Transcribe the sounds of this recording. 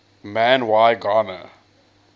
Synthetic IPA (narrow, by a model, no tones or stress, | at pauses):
mæ̃nwaɪɡɑnə̰